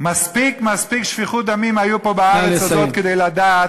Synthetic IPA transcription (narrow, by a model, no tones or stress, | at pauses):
maspikmaspikʃfiχud̪amimajupo̞baaʁet͡sazot̪ked̪ejlad̪at